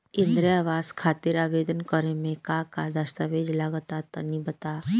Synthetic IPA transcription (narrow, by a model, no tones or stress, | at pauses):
ɪ̃nd̪ɾəaːʋaːskʰaːt̪iɾaːʋeːd̪ənkəɾemẽkakad̪ɐst̪aʋeːd͡ʒlaɡət̪at̪ɐnibət̪a